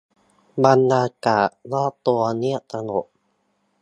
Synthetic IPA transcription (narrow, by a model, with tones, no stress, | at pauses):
ba˧nːaː˧kaː˨˩ʔnɔː˥˩t̪u˧ɐni˥˩əʔt̪a˧no˨˩p̚